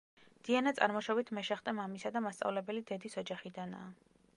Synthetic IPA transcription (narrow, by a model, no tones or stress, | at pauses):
d̪̥ianat̪sʼa̰ɾmɔʃɔbit̪ʰmɛʃɛχt̪ʼɛmamisad̪amast̪sʼa̰vlɛbɛlid̪ɛd̪isɔd͡ʒaχid̪ana̰ː